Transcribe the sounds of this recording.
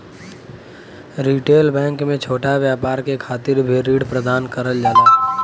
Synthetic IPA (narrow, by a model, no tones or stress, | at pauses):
ɾiːʈeːlbɛ̃ːŋkmẽt͡ʃʰoːʈaʋjaːpaːɾkekʰaːt̪ɪɾbʱiɾiːɽpɾəd̪aːnkəɾəld͡ʒaːt̪aːɦ